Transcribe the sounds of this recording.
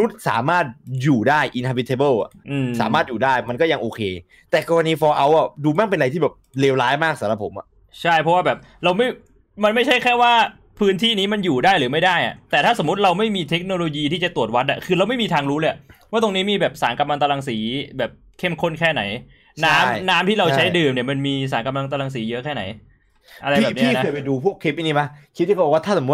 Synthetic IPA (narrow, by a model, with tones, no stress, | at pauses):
nu˦˥t̪̚sa̰ː˩˦maː˥˩t̪̚juː˨˩daː˥˩jʔi˨˧nha˧bi˧t̪ʰe˧bɤ˥˩wa̰˨˩ʔɯː˧˩sa̰ː˩˦maː˥˩juː˨˩daː˥˩jma˧nkɔː˥˩ja˧ŋʔoː˧kʰeː˧ | t̪ɛː˨˩kɔː˧ɾa˧niː˦˥fɔː˧ʔa˧wʔa˨˩duː˧ma˥˩npe˧nɾa˧jt̪ʰiː˥˩bɛː˨˩p̚leː˧wlaː˦˥jmaː˥˩k̚sa˩˦ɾa˧˦pʰo˩˦mʔa˨˩ʔ | t͡ɕʰa˥˩jpʰɔ˦˥waː˥˩bɛː˨˩p̚ | ɾa˧wma˥˩j | ma˧nma˥˩jt͡ɕʰa˥˩jkʰɛː˥˩waː˥˩ | pʰɯː˦˥nt̪ʰiː˥˩niː˦˥ma˧njuː˨˩daː˥˩jɾɯː˩˦ma˥˩jdaː˥˩jʔa̰˨˩t̪ɛː˨˩aː˥˩so˩˦mːu˦˥t̪̚ɾa˧wma˥˩jmiː˧t̪ʰe˦˥k̚noː˧lo˧jiː˧t̪ʰiː˥˩t͡ɕa˨˩t̪u˨˩ət̪̚wa˦˥t̪̚ʔa˨˩kʰɯː˧ɾa˧wma˥˩jmiː˧t̪ʰaː˧ŋɾuː˦˥le˧˩waː˥˩t̪̬o˧ŋniː˦˥miː˧bɛː˨˩p̚saː˩˦nka˧mla˧ŋt̪a˧la˧ŋsiː˩˦bɛː˨˩p̚kʰe˥˩mkʰo˥˩nkʰɛː˥˩na˩˦j | naː˦˥mnaː˦˥mt̪ʰiː˥ɾa˧wt͡ɕʰa˦˥jdɯː˨mni˧˩ɐma˧nmiː˧saː˩˦nka˧mla˧ŋt̪a˧la˧ŋs̬iː˩˦jɤ˦˥ʔkʰɛː˥˩na̰˩˦j | ʔa˧ɾbɛː˨˩nʰ˦i˥˨˥knʰː˦˧jpa˧jduː˧pʰu˥˩əkʰːe˦˥p̚ʔi˧˥˩niː˦˥˩ba˦˥kʰi˦t̪̚ʰːkːɔ˨˩waː˥t̪ʰa˥˩so˩˦m̚˦˥